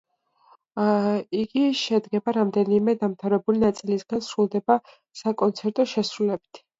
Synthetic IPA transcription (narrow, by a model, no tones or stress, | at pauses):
iɡiʃɛd̪ɡɛbaɾamd̪ɛnimɛd̪amt̪ʰavɾɛbulinat̪sʼilisɡ̥ansɾulˠd̪ɛba | sakʼɔnt̪sʰɛɾt̪ʼɔʃɛsɾulɛbi̥t̪ʰ